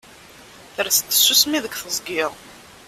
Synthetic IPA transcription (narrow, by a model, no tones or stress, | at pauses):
θəɾst̪ːə̥sːusmiðəkʷθəzˤɡɪʁˤ